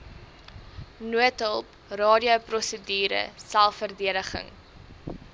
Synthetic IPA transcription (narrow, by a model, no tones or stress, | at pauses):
nuətɦəlˠp | rɑːdiəwprɔsədiːɾə̰sælˠfərdiədəχə̰ŋ